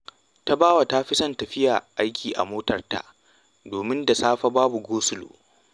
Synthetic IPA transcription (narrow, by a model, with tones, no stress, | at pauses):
ta˦baː˦wa˨ta˦ɸɪ˦sɐ˦ntɐ˨ɸɪ˦jaː˨ʔa˦jkʲʰiː˨ʔa̰˨moː˦tɐ˨rta̰˨ʔ | doː˨mɪ˦nda˨saː˦ɸa˦baː˦bu˨ɡoː˦sʊ˦lo̰ː˨